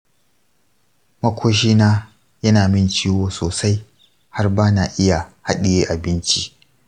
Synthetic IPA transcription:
mɐ˦kʷʰoː˦ʃ̬iː˦naː˦ | jɐ˦naː˨mɪ˦nt͡ʃiː˦woː˨soː˨sa˦j | ha˦rbaː˦na˨ʔɪ˦ja˨ha˦ɗɪ˨jeː˦ʔa˨bɪ˦nt͡ʃi˦ʔ

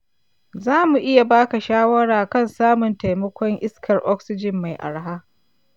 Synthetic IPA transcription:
zaː˦mu˨ʔɪ˦ja˨baː˦ka˨ʃaː˦wɐ˦ɽaː˨kɐ˦˨nsaː˦mʊ˨nta˨jmɐ˦kʷɔ˦ŋʔɪ˦skʰɐ˨rʔɔ˦ksɪ˦d͡ʒɪ˨mːa˨jʔa̰˨ɽa˦ɦaː˦

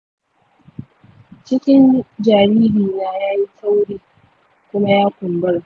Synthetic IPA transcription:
t͡ʃɪ˦kʲɪ˦nd͡ʒaː˨ɽiː˦ɽiː˨naː˦jaː˦ji˦ka˦wɽiː˦ | kʷʊ˦ma˦jaː˦kʷʊ˨mbɐ˦ɽ

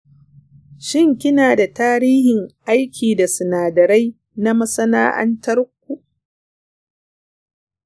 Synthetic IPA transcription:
ʃɪ˦˨ŋkʲɪ˦naː˨da˨taː˦ɾiː˦hɪ˨ŋʔa˦jkʲʰiː˨da˨sʊ˨naː˨dɐ˨ɾa˦j | na˦mɐ˦sɐ˦na̰ː˦ʔɐ̰˦ntɐ˦ɾʊ˦kʷːu˨ʔ

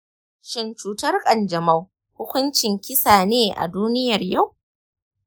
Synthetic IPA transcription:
ʃɪ˦nt͡ʃuː˨tɐ˦rkʼɐ˨nd͡ʒɐ˨mɐ˦w | hʊ˦kʷʊ˦nt͡ʃɪ˨ŋkʲɪ˦saː˨neː˦ʔa̰˨duː˦nɪ˦jɐ˨rja˦˨w

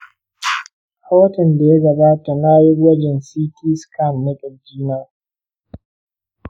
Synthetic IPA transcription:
haː˦tɐ˨nda˨ja˦ɡɐ˨baː˦ta˨na˦ji˦wɐ˦d͡ʒɪ˨nsiː˦tiː˦skʰa˦˨mːɪ˦ɗɪ˨ld͡ʒiː˦na˦

